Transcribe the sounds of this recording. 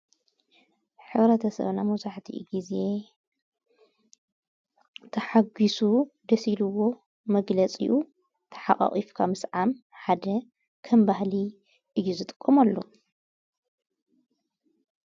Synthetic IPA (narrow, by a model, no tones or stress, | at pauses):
ħɨβɾɐt̪ʰɐsɐ̰βnamɐzaħt̪ʰḭɡize̞ | t̪ʰɐħaɡisud̪ɐsilɨwːo̞ | mɐɡlɐt͡sʼḭʔu | t̪ʰɐ̥ħa̰χʼa̰χʼifkʰamɨsʕam | ħad̪ɐ | kʰɐmbahli | ʔɨjːuzɨt̪ʼɨ̥kʼːɐmɐlːo̰